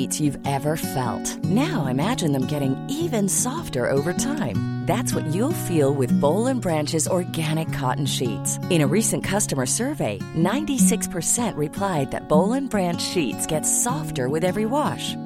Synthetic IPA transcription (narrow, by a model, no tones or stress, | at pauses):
itsjʉvɛvə˞fɛ̰lˠt̚naʊaɪɨmæd͡ʒɨ̃nðɨ̃mɡɛɾɪ̃ŋivɨ̃nsɔftə̰˞ʔo̰ʊvə˞tʰãɪ̃mðætswʌ̰t͡ʃɨlˠfilˠwɪðboʊlˠə̃nbɹæ̃nt͡ʃɨzɔɹɡæɾ̃ɨkʰːɑ̰ʔn̩ʃḭtsɨ̃ɾ̃ɨɹisɨ̃nkʰʌstəmə˞sɜ˞veɪ | nãɪ̃ntisɪkspʰə˞sɛ̃nʔɹɨpʰl̥aɪd̪̚ðɨ̰t̚b̥oʊlˠə̃nbɹæ̃nt͡ʃʃitsɡ̥ɛtsɔftə˞wɨðɛvɹiwɑʃ